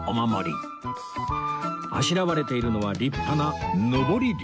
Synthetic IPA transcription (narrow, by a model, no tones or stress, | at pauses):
omamo̞̰ɾʲḭ | a̰ɕiɾaβaɾe̞t̪e̞iɾɯ̟no̞β̞aɾʲipːananobo̞ɾʲiɾʲ